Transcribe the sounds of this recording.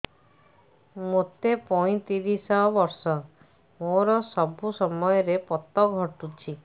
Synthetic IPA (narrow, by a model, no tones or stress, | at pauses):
mot̪epɔĩt̪iɾisɔbɔɾsɔ | moɾɔsɔbʱusɔmɔjɔɾepɔt̪ɔɡʱɔʈut͡ʃʰi